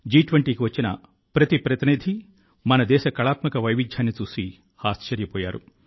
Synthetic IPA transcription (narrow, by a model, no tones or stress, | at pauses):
d͡ʒiːʈʋɐɳʈiːkiʋɐt͡ʃːinɐ̰ | pɾɐt̪ipɾɐt̪inid̪ʱi | mɐnɐd̪ɛːʃɐkɐɭaːt̪mɐkɐʋɐjʋid͡ʒ̪ʱjaːnːit͡ʃuːsi | aːst͡ʃɐɾjɐpɔːja̰ːɾṵ